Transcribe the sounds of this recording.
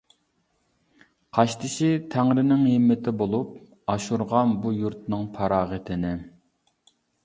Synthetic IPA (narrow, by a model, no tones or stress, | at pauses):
qʰɑʃt̪ʰɪʃit̪ʰæŋɾɪnɪŋɦɪmːɪt̪ʰɪbolˠup | ɑʃuɾʁɑnbujuɾt̪nɨŋpʰɑɾɑːʁət̪ʰɪnɪ